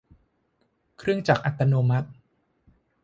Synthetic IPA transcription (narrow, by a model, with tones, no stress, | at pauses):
kʰɾɯ˥˩əŋt͡ɕaː˨˩k̚ʔa˨˩t̪ːa˧noː˧ma˦˥t̪̚